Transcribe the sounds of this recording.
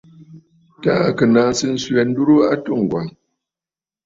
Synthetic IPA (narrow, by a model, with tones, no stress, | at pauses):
ta˦˨kə˨na˨˦sɨ˦n̩˦sɥɛ˨n̩˦du˦ɾu˦a˦tu˦˨ŋ̩˨ɡwa˨